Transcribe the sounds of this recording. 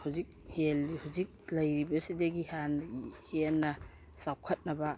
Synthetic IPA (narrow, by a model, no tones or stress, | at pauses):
hazik̚helhuwzik̚lɐjɾibɐsideɡihanhelːɐ | sawkʰɐt̚nɐba